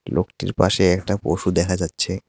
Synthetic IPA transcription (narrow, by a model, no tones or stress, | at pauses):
lokʈḭɾpa̰ʃeɛkʈapoʃud̪ɛkʰad͡ʑatːɕʰe